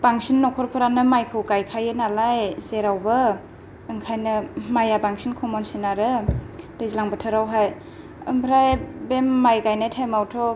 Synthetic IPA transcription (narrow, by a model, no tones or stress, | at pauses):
b̥aŋsinːɔkʰɔɾpʰɯɾanɯmajkʰɯwkajkʰajɯnalajseɾawbɐ | ɯŋkʰajnɯmajabaŋsinkʰɔmɔnsinaɾɯd̥ɯjzilaŋbɯtʰɯɾawɦaj | ɯmpʰɾajbemːajkajnajtʰajmawtʰɔ